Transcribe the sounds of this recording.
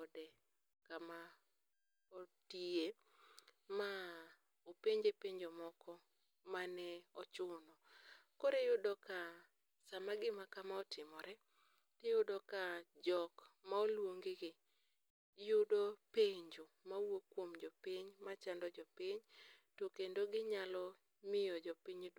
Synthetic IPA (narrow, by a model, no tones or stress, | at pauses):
ɔdɛ | kama | otie | ma | opeɲd͡ʒepeɲd͡ʒomɔkɔ | manɛɔt͡ʃʊnɔkoɾejʊdɔka | samaɡɪmakamaɔtɪmɔɾɛ | tejʊdɔkad͡ʒɔkmaolwoŋɡeɡɪ | jʊdopeɲd͡ʒomawokwomd͡ʒɔpɪɲmat͡ʃandɔd͡ʒɔpɪɲtokendoɡɪɲalɔ | mɪjɔd͡ʒɔpiɲd